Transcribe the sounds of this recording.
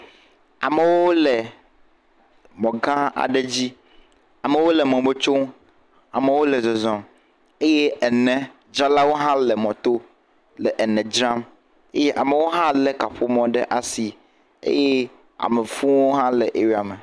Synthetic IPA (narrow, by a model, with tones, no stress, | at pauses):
a˨me˨wo˦lɛ˨ | mɔ̃˨ɡã˦a̰˨ɖe˦d͡ʑi˦ | a˨me˨wo˦lɛ˨mɔ̃˨be˦t͡ʃo˦ŋ | a̰˨me˨wo˦lɛ˨zɔ˨zɔ̃˨m | e˦je˦ɛ˨nɛ̃˨ | d͡ʒa˦la˦wo˦ɦã˦lɛ˨mɔ̃˨t̪o˦ | lɛ˨ʔɛ˨nɛ̃˨d͡ʒɾã˦m | e˦je˦ʔa˨me˨wo˦ɦã˦lɛ˨ka˨ɸo˦mɔ̃˨ɖɛ˦ʔa˨si˨ | ḛ˦je˦ | a̰˨me˨fũ˦wo˦ɦã˦lɛ˨ʔe˨wi˦a˨me˨